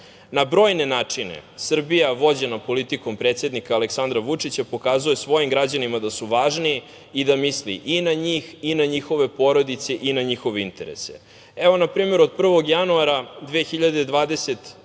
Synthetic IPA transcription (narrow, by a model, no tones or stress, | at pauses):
nabɾo̞ːjne̞naːt͡ʂinḛsr̩bijaʋo̞d͡ʑenapo̞lit̪iko̞mpɾeːt̪sje̞d̪nikaːleksand̪ɾaʋut͡ʂit͡ɕapo̞kaːzuje̞sʋo̞jimɡɾad͡ʑanimad̪asuʋaːʒniː | d̪amislḭʔinaɲiːxinaɲixo̞ʋe̞po̞ɾo̞d̪it̪se̞ʔinaɲixo̞ʋeint̪e̞ɾḛsḛ | eʋo̞napɾiːme̞ɾod̪̚pr̩ʋo̞ɡjanuaɾad̪ʋexiʎad̪ed̪ʋaːd̪e̞set̪